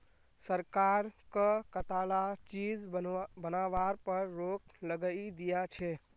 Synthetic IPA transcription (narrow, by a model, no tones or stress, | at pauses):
səɾkaɾkəkət̪alat͡ʃid͡ʒbənaʋaɾpəɾːokləɡəid̪ijat͡ʃʰɛ